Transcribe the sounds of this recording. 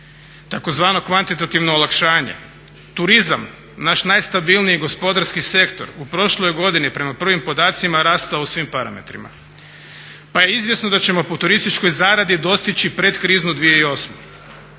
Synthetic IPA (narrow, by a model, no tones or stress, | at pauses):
t̪ako̞zʋaːno̞kʋant̪it̪at̪iʋnoːlˠakʃaːɲḛ | t̪uɾizam | naʃnajst̪abilˠnijiɡo̞spo̞d̪aɾskise̞kt̪o̞̰ɾupɾo̞ʃlo̞jɡo̞d̪inipɾe̞mapr̩ʋimpo̞d̪aːt̪simaɾaːst̪ausʋimpaɾame̞̰t̪ɾḭma̰ | paje̞izʋje̞sno̞d̪at͡ɕe̞mo̞pot̪uɾist̪it͡ʃko̞jzaːɾad̪id̪o̞st̪it͡ɕipɾe̞d̪kɾiːznud̪ʋije̞io̞sme